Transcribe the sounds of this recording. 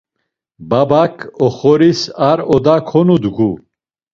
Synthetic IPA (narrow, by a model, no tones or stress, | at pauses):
babakʰɔχɔɾisaɾɔd̪akʰɔnud̪ɡu